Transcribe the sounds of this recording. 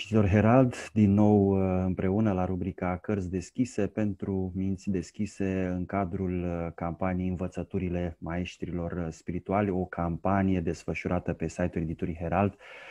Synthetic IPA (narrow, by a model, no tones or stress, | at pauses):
it̪orɦe̞ɾald̪d̪inːo̞wɨmpɾʔe̞unəlaɾubɾikakərzʲd̪e̞skʲisepe̞nt̪ɾumint̪sʲd̪e̞skʲise̞ɨŋkad̪ɾulkampanijeɨnvət̪sət̪uɾile̞mae̞ʃt̪ɾilo̞rspiɾit̪ualʲo̞kʰampanije̞d̪e̞sfəʃuɾʔat̪əpe̞sajt̪ule̞d̪it̪oɾiɦe̞ɾald̪